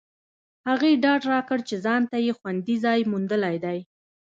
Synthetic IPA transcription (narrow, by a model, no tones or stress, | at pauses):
haɣeɖɑɖɾɑkəɽt͡ʃezɑnt̪ajexwand̪izɑjmund̪əlajd̪aj